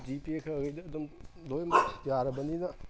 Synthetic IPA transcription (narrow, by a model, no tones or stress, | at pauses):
dipiekʰɐːɡɐjd̪ɐːd̪umdojmjaɾɐbɐninɐ